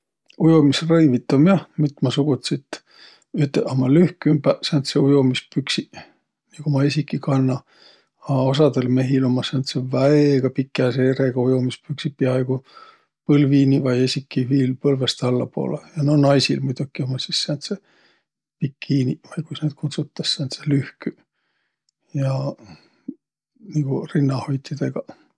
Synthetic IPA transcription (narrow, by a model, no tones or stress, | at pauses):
ujomisrɤjvit̪ːˑomjɑhmyt̪ːˑmɑsuɡ̥ut̪sit̪ | yt̪ːˑeʔɑmɑlyhkymbæsɑnt̪seujomispyksi | niɡomɑesʲikːˑikɑnːɑ | ɑos̬ɑd̪elme̞ɦilomːɑseɑnt̪sevæeɡ̥ɑpikːˑeɑseːɾeɡ̥ɑujomispyksipːiɑɑjɡu | pɤlviːnivɑje̞sʲikːiviːlpɤlvest̪ɑlːɑpo̞̰ːlejɑnonɑjsilmujd̪̥ukːˑiomːɑssisːeɑnt̪se | pikʰːiːnivɑjkujsneːt̪̚kʰut̪sut̪ːɑsseɑnt̪selyhky | jɑ | niɡ̥urinːɑhojt̪ːˑid̪̥eɡ̥ɑ